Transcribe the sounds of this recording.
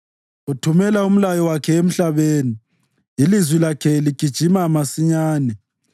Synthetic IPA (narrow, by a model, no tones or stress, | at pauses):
utʰumɛlaum̩lajɔwakʰɛem̩ɬaβeːniː | lizwilakʰɛliɡ̥ʱid̥ʒ̥ʱimamasiɲaːnɛ